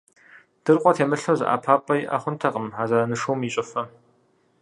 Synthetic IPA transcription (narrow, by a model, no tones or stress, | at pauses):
d̥ɨrqʷʼɔtʰeːmɨɬɐwzɨ̰ʔa̰ːpʰaːpʼɐjʔɐ̰χʷʊntʰɐqʼəmaːzɐɾɐnɨʂuwmiɕʼɐfɐ